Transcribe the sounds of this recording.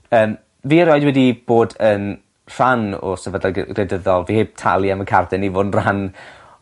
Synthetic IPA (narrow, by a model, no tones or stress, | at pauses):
əːm | viːəɾɔɨdwɛdib̥oːdən | r̥anɔ̰sɛvədaɡ̥rɛdəðɔlˠviheːb̥̚tʰa̰lˠjaməkʰardɛnivoːdnr̥an